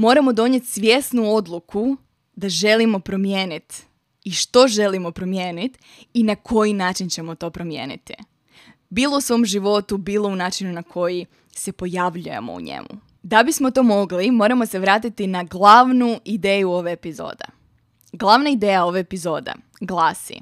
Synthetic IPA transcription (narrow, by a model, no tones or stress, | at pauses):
mo̞ɾamo̞d̪o̞ɲe̞t̪sʋʲje̞snuo̞d̪lˠukʰu | d̪aʒe̞limo̞pɾo̞mjeːnit̪ | iʃt̪o̞ʒe̞limo̞pɾo̞mje̞ːnit̪ | inakʰo̞jinaːt͡ʃint͡ɕe̞mo̞t̪o̞ːpɾo̞mjḛːnḭt̪i | biːlˠousʋo̞ːmʒiʋo̞t̪ubiːlˠo̞unaːt͡ʃinunakʰo̞ji | se̞po̞jaʋʎujḛmo̞̰ṵɲḛmṵ | d̪abismot̪o̞mo̞ɡlimo̞ːɾamo̞seʋɾaːt̪it̪inaɡlˠaʋnuid̪eːjuo̞ʋeepizo̰ːd̪ḛ | ɡlˠaʋnaid̪eːjao̞ʋeepizo̞ːd̪ḛ | ɡlˠaːsḭ